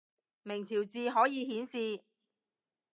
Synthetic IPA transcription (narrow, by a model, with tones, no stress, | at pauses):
mɪ˨˩ŋt͡sʰiː˨˩wt͡siː˨˧ɦɔː˨˥jiː˧ɦiː˨˥nsiː˧